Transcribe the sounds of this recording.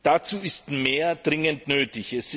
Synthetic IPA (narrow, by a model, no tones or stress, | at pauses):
d̥at͡suːɪstmeːɐdʁɪŋəntnøːtɪçɛsɪ